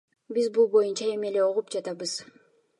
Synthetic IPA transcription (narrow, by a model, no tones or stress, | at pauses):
bizbulˠbo̞junt͡ʃɑe̞me̞le̞oʁupd͡ʒɑt̪ɑbɯz̥